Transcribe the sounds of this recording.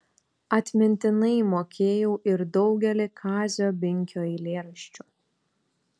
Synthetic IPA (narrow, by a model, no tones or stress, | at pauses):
ɐt̪ʲmʲɪnʲt̪ʲɪnɐɪmoːkʲeːjɛʊʔɪɾd̪ɒʊɡʲɛlʲɪkʰɑːzʲoːbʲɪŋʲkʲoːɪlʲeːɾɐʃʲt͡ʃʲʊ